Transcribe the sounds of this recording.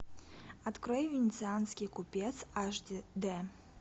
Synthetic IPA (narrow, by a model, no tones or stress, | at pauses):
at̪kɾɔjvʲɪnʲɪt̪sɨanskʲikupʲɛt̪saʐd̪ʲd̪ɛ